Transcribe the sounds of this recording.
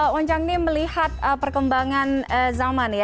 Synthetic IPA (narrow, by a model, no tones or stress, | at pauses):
wɔɲt͡ʃaŋniməlihat̪̚əpərkəmbaŋanəzamanja